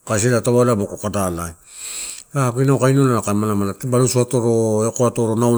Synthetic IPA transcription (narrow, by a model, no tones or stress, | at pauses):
kas̬eɾataβalamokokadalaj | akinaokajnolaakamalamalatbalusuatoɾoekoatoɾonaw